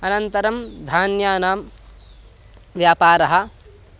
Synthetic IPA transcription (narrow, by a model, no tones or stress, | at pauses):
ɐnɐnt̪ɐɾɐmd̪ʱaːnjaːnaːm | ʋjaːpaːɾɐɦɐ̆